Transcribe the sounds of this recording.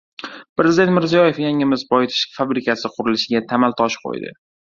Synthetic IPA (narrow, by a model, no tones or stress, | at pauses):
pɾezɪd̪e̞nt̪mɪɾzijɒje̞fjaŋɪmɪzbɒjt̪ʰɪ̥ʃfabɾɪkʲʰasɪqʰʊɾɪlɪʃɪɡʲat̪ʰamalˠt̪ʰɒʃqʰo̰jd̪ɪ̰